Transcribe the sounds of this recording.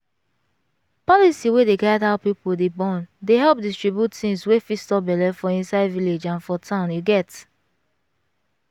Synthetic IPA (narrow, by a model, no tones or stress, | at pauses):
pɔlisiwedeɡaɪdaʊpipodebɔ̃ndeɦɛlp̚distɹibjuttĩnswefistɔbɛlɛfɔĩnsaɪdviled͡ʒãnfɔtʰãʊ̃njuɡɛt